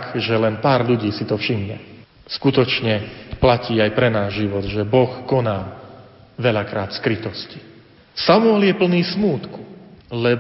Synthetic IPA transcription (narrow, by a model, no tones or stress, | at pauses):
kʒɛlɛnpaːɾʎuɟiːsit̪ɔfʃimɲɛ̰ | skut̪ɔt͡ʃɲɛplaciːajpɾɛnaːʒʒiʋɔd̪ʒɛbɔxkɔnaː | ʋɛʎakɾaːt̪skɾit̪ɔsci̥ | samuɛljɛpl̩niːsmuːt̪ku̥lɛ